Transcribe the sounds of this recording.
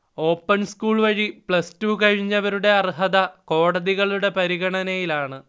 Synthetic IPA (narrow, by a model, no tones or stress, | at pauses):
o̞ːpːɐnskuːɭʋɐɻipɭɐstuːkɐɻiɲːɐʋɐɾuɽe̞ɐrɦɐðɐko̞ːɽɐðiɣɐɭuɽe̞pɐɾiɣɐɳɐnɐjilaːɳɨ